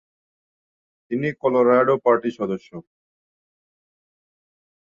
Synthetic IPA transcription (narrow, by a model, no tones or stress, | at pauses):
t̪inikɔloɾajɖopaɾʈiʃɔd̪oʃːo